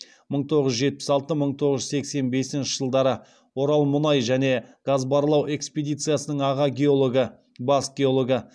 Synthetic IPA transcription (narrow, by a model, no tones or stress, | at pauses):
məɴt̪ʰo̞ʁəʒʒe̞t̪̚pɪ̥sɑlˠt̪əməɴt̪ʰo̞ʁəʒʏzse̞kse̞nbe̞sɪnʃɪʒ̥əlˠd̪ɑɾə | wo̞ɾɑlˠmʊnɑjʒæne̞ɡ̥azbɑɾlˠɑwʔe̞kspe̞d̪ijt̪sɨjasənəɴɑʁɑɡʲeoɡə | basɡʲeolˠo̞ɡə